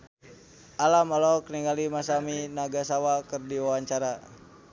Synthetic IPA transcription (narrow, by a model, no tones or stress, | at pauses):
ʔalamɔlɔkniŋɡalimasaminaɡasawakɨrdiwawaɲt͡ʃaɾa